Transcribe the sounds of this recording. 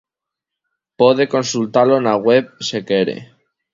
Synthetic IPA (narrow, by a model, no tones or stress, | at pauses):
poðe̞ko̞nsult̪alonaɣweβ̚se̞ke̞ɾḛ